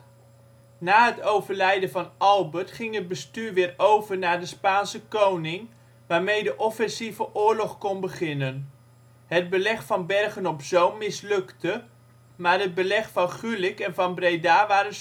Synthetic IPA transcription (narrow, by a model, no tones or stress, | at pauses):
naːɦətowvəɹlɛjdənvɑnɑlˠbəɹtχɪŋɦəd̚bəstyːɹʋɪːɾowvəɹnaːɹdəspaːnsəkownɪŋ | ʋaːɹmejdəʔɔfɛnsivəʔʊːɹlɔχkɔnbəχɪnən | ɦəd̚bəlɛχfɑnbɛrχənɔpzowmmɪslɵktə | maːɹɦəd̚bəlɛχfɑnχylɪkɛnvɑnbrejdaːʋaːɾən